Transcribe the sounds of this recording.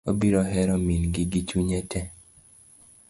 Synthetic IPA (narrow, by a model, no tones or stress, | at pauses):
obiɾɔɦɛɾɔminɡɪɡit͡ʃuɲɛtʰɛ